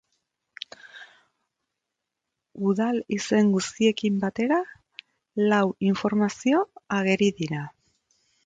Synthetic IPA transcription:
uðalise̞ŋɡust̪ie̞kimbat̪e̞ɾa | lawiɱfo̞ɾmasio̞aɣe̞ɾiðiɾa

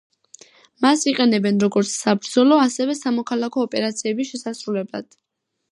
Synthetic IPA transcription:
masiqʼɛnɛbɛnɾɔɡɔɾt̪sʰsabɾd̪zɔlˠɔasɛvɛsamɔkʰalˠakʰɔːpʼɛɾat̪sʰiɛbiʃɛsasɾulɛblˠa̰d̪̥

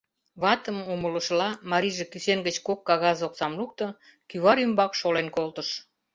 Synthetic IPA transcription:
βɑt̪əmomələ̆ʃlɑmɑɾiʒekysenɡət͡ɕkokːɑɣɑzoksɑmluk̚t̪ɤ̆ | kyβɑɾymbɑkʃolenkolt̪əʃ

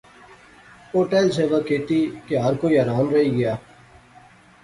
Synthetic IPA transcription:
oːʈeːlseːʋəkeːʈikeɦaːɾkoiɐɾaːnɾɐɦiɡɐjaː

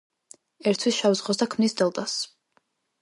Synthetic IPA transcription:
ɛɾt̪ʰwisʃavuzʁɔs̬d̪akʰmnisd̪ɛlˠt̪ʼas

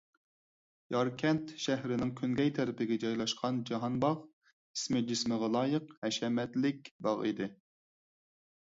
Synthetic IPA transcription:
jɑɾkʲʰɛnt̪ʃæhɾɪnɪŋkʲʰyŋɡʲɛjt̪ʰɛɾɪpʰɪɡʲɛd͡ʒɑjlˠɑʃqʰɑnd͡ʒɑɦɑnbɑʁ | ismɪd͡ʒismɨʁɑlˠɑːjəqhɛʃɛmɛt̪lɪk̚ʲbɑʁḭd̪ɪ

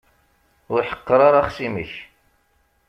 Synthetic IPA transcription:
ʊɾħə̥qːəɾˤɑɾˤaχsiməç

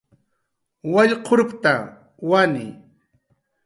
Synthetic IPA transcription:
waʎqʰoɾʊpt̪a | wanɪ̰

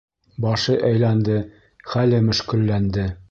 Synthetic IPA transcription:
bɑʃɤʔæjlænd̪ɘ | χælɘmɵ̆ʃkɘ̆lːænd̪ɘ

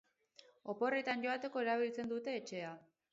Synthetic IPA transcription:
o̞po̞re̞t̪anʝo̞at̪e̞ko̞e̞ɾaβ̞ilt͡se̞nd̪ut̪e̞ːt͡ʃe̞a

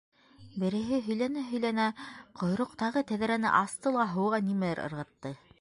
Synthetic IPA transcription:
bɘ̆ɾɘ̆ɦɘɦɵ̆jlænæɦɵ̆jlænæqʰŏjɾŏqt̪ɑʁɤt̪æðɾænɘ̰ʔɑst̪ɤlˠɑɦɤ̆wʁɑnimælæɾɤ̰̆ɾʁɤ̆t̪ːɤ

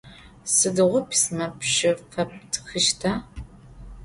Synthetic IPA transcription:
sɨdɨʁʷʊpʰsnɐpʃɪfɐp̚tʰxɨʃtʰaː

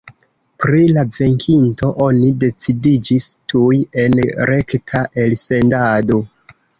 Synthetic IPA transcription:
pɾilave̞ŋkʰinto̞ʔo̞nide̞t͡sidid͡ʒistʰuje̞nɾe̞ktʰaʔe̞lse̞ndado̞

